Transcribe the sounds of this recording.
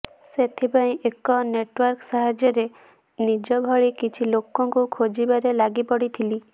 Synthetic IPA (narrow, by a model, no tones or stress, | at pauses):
set̪ʰipaĩʔekɔneʈwɔɾksaɦad͡ʒjɔɾe | nid͡ʒɔbʱɔɭikit͡ʃʰilokɔŋkukʰod͡ʒibaɾelaɡipɔɽit̪ʰili